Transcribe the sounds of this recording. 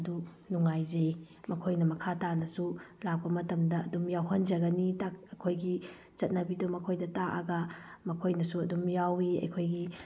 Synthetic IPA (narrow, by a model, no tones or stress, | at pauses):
ɐdu | nuŋajzej | mɐkʰojnɐmɐkʰatanɐsulak̚pɐmɐtɐmdɐːdumjawɦɐnd͡ʒɐɡɐnitak̚ɐkʰojɡi | t͡ʃɐt̚nɐbidumɐkʰojdɐtaʔɐ̰ɡɐmɐkʰojnɐsuɐdumjawiɐ̰jkʰojɡi